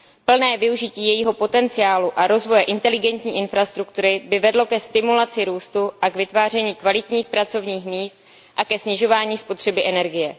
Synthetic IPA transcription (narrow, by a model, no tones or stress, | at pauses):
pl̩nɛːvɪuʒɪciːjɛjiːɦo̞po̞t̪ɛnt͡sɪaːluʔaɾo̞zvo̞jɛʔɪnt̪ɛlɪɡɛnt̪ɲiːʔɪnfɾast̪ɾukt̪uɾɪbɪvɛdlo̞kɛst̪ɪmulat͡sɪɾuːst̪uʔakvɪt̪vaːr̝ɛɲiːkvalɪt̪ɲiːxpɾat͡so̞vɲiːxmiːst̪̚ | ʔakɛsɲɪʒo̞vaːɲiːspo̞t̪r̥ɛbɪʔɛnɛɾɡɪjɛ